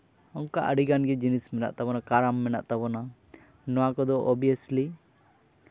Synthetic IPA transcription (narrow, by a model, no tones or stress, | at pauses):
ɔŋkaʔəɽiɡanɡɛd͡ʒinismɛna̰ʔt̪abɔnakaɾamːɛna̰ʔt̪abɔna | nɔwakɔd̪ɔʔɔbijəsli